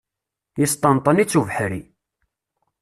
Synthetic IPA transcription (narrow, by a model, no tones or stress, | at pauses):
jəst̪ˤɑnt̪ˤənit͡sːuvħɾḭ